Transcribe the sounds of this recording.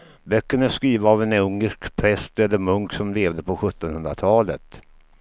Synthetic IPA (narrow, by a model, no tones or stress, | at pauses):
bœkːəɳæskɾiːvaːvɛnɵŋːəʂkpʰɾɛst̪ɛlːəɾmɵŋksɔmleːvd̪əpʰɔɧɵt̪ːɔnhɵnd̪ɾat̪ʰɑːlə̰t̪